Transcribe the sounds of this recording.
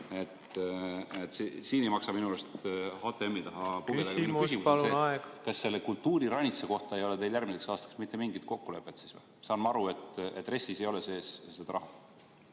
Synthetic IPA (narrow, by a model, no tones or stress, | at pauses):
et̪ | et̪ːsisiːnejmɑksɑminulost̪hot̪ːˑeemːit̪ɑɦɑpuɡed̪ekminuks̬imusleɑeɡ̥kɑsːe̞lːekult̪ːuːɾiɾɑnʲit̪seko̞ht̪ɑejo̞le̞t̪e̞jljærmise̞ksɑːst̪ɑ̥ksmit̪ːe̞miŋɡit̪̚ko̞kːule̞pːˑe̞t̪sisvḛ | sɑːnmɑɑɾue̞t̪et̪ːˑre̞sːise̞jo̞lese̞ːssed̪ɑɾɑɦɑ